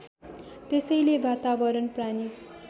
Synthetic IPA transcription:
t̪esʌjlebat̪abʌɾʌnprani

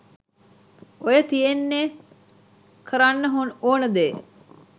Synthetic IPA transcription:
ojət̪ijenːe | kʰəɾanːəɦonoːnəd̪eː

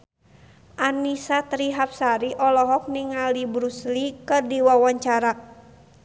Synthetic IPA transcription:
ʔanisat̪ɾiɦap̚saɾiʔɔlɔɦɔk̚niŋalibɾuslikɨrdiwawaɲt͡ʃaɾa

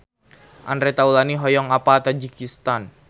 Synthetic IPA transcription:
ʔanɾɛt̪aulaniɦɔjɔŋapat̪ad͡ʒikist̪an

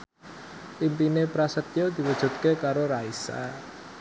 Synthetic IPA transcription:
limpinepɾasət̪̚jod̪̥i̤wəd̥ʒ̥ṳt̪̚kekaɾoɾaisa̰

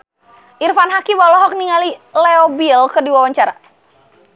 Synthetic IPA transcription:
ʔirfanɦakiwalɔɦɔk̚niŋalilɛɔbilkɨrdiwawaɲt͡ʃaɾa̰

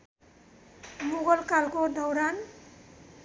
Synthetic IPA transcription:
muɣʌlkalkod̪ʱʌwɾan

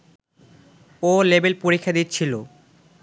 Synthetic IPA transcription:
olebelpoɾikʰːad̪it̪ːt͡ɕʰilo

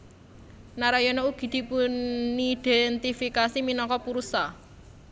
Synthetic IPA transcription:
naɾajɔnɔuɡ̥i̤d̪̥i̤punid̪̥ɛnt̪ifikasiminɔkɔpuɾusa

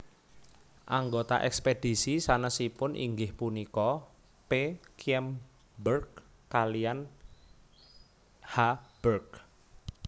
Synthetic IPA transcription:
ʔaŋɡot̪a̰ʔɛ̰ksped̥i̤sisanəsipʊnʔḭŋɡɪhpunikɔ | pekɛm | bərk | kalijan | hab̥ərk

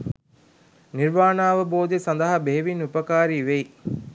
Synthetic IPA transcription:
niɾʋaːnaːʋəboːd̪esɐnd̪ɐɦɐbeɦeʋinupɐkaːɾiːʋej

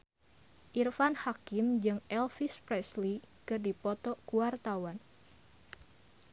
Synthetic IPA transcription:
ʔirfanhakɪmd͡ʒɨŋɛlfispɾɛsli | kɨrdipɔt̪ɔkuwart̪awan

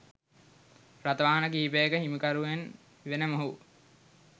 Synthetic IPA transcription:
rat̪əʋaːɦɐnəkiɦipəjəkəɦimikaɾuen | ʋenəmoɦu

